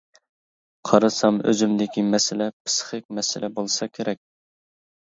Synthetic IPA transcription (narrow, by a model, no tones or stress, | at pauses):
qʰɑɾɨsɑmø̰zymd̪ɪkʲʰimɛsɪlɛpʰɨ̥sχɪk̚ʲmɛsɪlʔɛbolˠsɑkʲʰeɾɛk̚ʲ